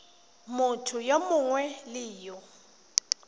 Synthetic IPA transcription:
mʊtʰʊjomʊŋwɛlɪːjɔ

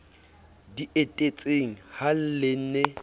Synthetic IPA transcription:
diʔetʼet͡sʼeŋ̩hal̩lɪn̩ne

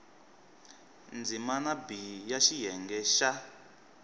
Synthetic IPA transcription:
nd͡zimanabijaʃijɛŋɡɛʃa

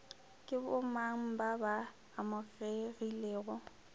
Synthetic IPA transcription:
kʼɪbʊmaŋ̩babaː | mʊɣeɣileːɣʊ

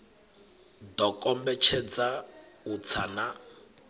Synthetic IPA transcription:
dɔkʼɔmbɛt͡ʃʰɛd͡zaut͡sʰana

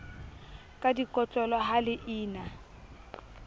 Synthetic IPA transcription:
kʼadikʼɔt͡ɬʼɔlɔɦalɪʔiːna

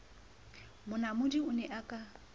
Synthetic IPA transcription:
mʊnamʊdiʊnɛʔakʼa

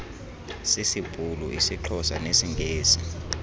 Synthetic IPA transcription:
sisib̥ʱʼulɔ̰isiǃʰɔsanesiŋɡʱeːsi

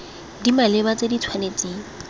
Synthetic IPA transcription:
dimalɪbat͡sedit͡sʰwanet͡sʼeːŋ̩

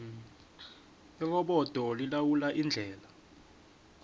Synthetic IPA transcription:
ɛk̬ɔɓɔd̥ʱɔlilawulaʔind͡ɮʱɛːla

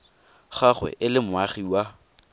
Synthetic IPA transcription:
χaχwɛ̰ʔɪlɪmʊaχiwa

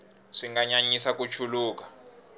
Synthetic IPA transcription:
ʂiŋɡaɲaɲisak̬ʼut͡ʃʰuluːk̬ʼḁ

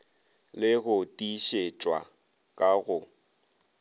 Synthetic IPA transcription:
lɪɣʊtʼiʃet͡ʃʼwa̰ | kʼaɣʊ

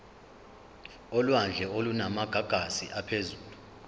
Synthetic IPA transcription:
ɔlwand͡ɮʱɛolunamaɡ̥ʱaɡ̥ʱasiʔapʰezuːlu

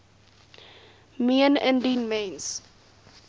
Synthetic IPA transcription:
miə̃nɛ̰̃nɖĩːnmẽns

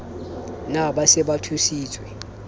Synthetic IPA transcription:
naɓasɛɓatʰusiːt͡sʰʼwɛ

